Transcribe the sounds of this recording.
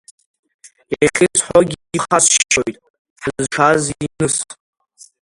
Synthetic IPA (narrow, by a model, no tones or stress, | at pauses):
eχʲɪt͡sʰʼħoɡʲiːχasʃʃojtʼ | ħzʈ͡ʂʰazinɨsʼ